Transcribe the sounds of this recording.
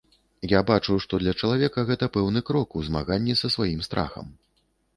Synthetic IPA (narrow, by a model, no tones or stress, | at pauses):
jabat͡ʂɨʂt̪ɔd̪lʲɐt͡ʂɐlˠavʲɛkɐɣɛt̪ɐpɛwnɨkɾɔkuzma̰ɣanʲːisɐsvajimst̪ɾʔa̰xɐ̰m